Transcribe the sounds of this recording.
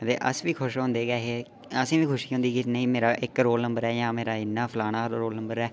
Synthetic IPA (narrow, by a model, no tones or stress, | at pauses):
t̪ḛːʔə̰sʋiːkʰʊʃɦõːnd̪eːkɛːɦeː | əsĩːʋiːkʰʊʃiːɦʊ̃nd̪iːkɪneĩːmeːɾaːʔɪkɾoːlnəmbəɾɛːjãːmeːɾaːɪnːaːpʰlaːñaːɾoːlnə̃mbəɾɛː